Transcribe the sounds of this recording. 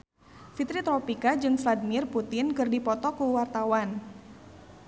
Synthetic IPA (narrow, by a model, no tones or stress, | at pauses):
fit̪ɾit̪ɾɔpikad͡ʒɨŋfladimɪrput̪ɪnkɨrdipɔt̪ɔkuwart̪awan